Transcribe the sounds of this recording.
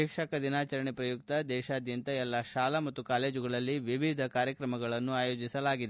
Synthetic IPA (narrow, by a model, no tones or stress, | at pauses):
iːkʂɐkɐd̪inaːt͡ʃɐɾɐɳipɾɐjuk̚t̪ɐd̪ɛːʃaːd̪jɐnt̪ɐɛlːaʃaːlɐmɐt̪ːukaːle̞ːd͡ʒuɡɐɭɐlːiʋiʋid̪ʱɐkaːɾjɐkɾɐmɐɡɐɭɐnːuaːjo̞ːd͡ʒisɐlaːɡid̪e